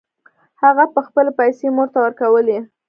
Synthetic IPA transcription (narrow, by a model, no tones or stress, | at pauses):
haɣapəxpəlepajsemoɾt̪awəɾkawəle